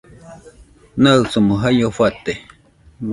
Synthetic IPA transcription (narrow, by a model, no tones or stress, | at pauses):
nat͡sumoɦajofat̪e